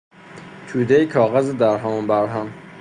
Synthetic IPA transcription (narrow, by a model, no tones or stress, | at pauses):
t̪ʰuːd̪ejikʰɒːɣæzed̪æɾɦæmunbæɾɦæm